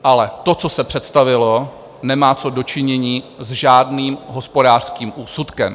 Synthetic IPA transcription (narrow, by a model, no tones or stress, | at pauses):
ʔalɛt̪o̞t͡sosɛpr̝̥ɛt̪st̪avɪlo | nɛmaːt͡so̞do̞t͡ʃɪɲɛɲiːzʒaːdniːmɦo̞spodaːr̥skiːmʔuːsut̪kɛm